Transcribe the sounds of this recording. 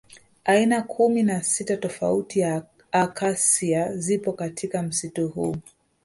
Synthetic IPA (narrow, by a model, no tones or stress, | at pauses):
ainakʰuminasitatɔfa̰utija | akasiazipɔkatʰikam̩situhṵ